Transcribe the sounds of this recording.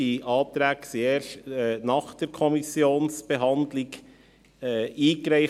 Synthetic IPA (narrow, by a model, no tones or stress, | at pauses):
iʔɑːp̚t̪ɾæːɡsieːɾʃtːnɑːχd̥əɾkʰɔmisjoːnsb̥ɛɦɑndlɪɡ | iːɡɾæɪ